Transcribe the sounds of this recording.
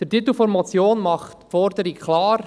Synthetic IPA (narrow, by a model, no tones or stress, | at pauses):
d̥əɾtit̪l̩fɔɾmɑt͡sjoːnmɑχtfɔɾdəɾikklɑːɾ